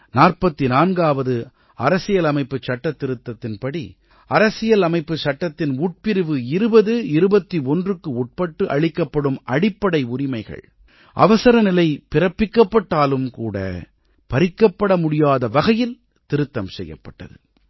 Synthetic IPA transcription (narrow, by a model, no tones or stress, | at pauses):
naːrpɐt̪ːinaːnɡaːʋɐðɯ | ɐɾɐsɪjɐlɐmɐɪpːɯt͡ʃːɐʈːɐt̪ːɪɾɯt̪ːɐt̪ːɪnpɐɽi | ɐɾɐsɪjɐlɐmɐɪpːɯt͡ʃɐʈːɐt̪ːɪnuːʈ̚pɪɾɯʋɯɪɾɯbɐðɯɪɾɯbɐt̪ːiɔndrɯkːɯuʈ̚pɐʈːɯʔɐ̰ɻɪkːɐpːɐɽɯmɐɽɪpːɐɽɐɪʊɾɪmɐɪɣɐ̰ɭ | ʔɐ̰ʋɐsɐɾɐnɪlɐɪpɪɾɐpːɪkːɐpːɐʈːaːlɯmkuːɽɐ̰ | pɐɾɪkːɐpːɐɽɐmʊɽɪjaːðɐʋɐɣɐjɪl | t̪ɪɾɯt̪ːɐmsɛ̰jːɐ̰pːɐʈːɐ̰ðɯ̰